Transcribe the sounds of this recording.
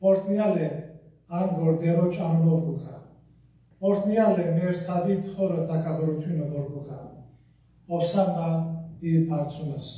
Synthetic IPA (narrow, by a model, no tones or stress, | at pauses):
pɔɾt̪ʰʼnialɛ | aŋɡɔɾd̪ɛɾɔt͡ʃʰambɔfukʰa | ɔɾt̪ʰʼnialɛmɛɾt̪ʰabit̪χɔɾɔt̪ʰʼakʰabɔɾt̪ʰinɔbɔɾbukʰa | ɔpsamaipʰaɾt͡sʼunɛs